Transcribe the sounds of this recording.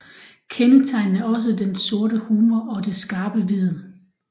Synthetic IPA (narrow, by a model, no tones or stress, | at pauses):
kʰenət͡sʰɑ̈ɪnn̩æɐɒ̽s̬əd̥enso̝ɐɾəhuːmɐʔɒ̽d̥e̝sɡ̥ɑ̈ːb̥əʋið̩ˠ